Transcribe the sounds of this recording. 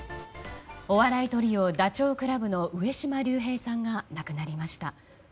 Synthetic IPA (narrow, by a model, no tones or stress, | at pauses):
o̞βaɾait̪o̞ɾʲio̞d̪at͡ɕo̞ːkɯ̟ɾabɯ̟no̞ʔɯ̟e̞ɕimaɾʲɨːɦe̞ːsãŋɡanakɯ̟naɾʲimaɕi̥t̪a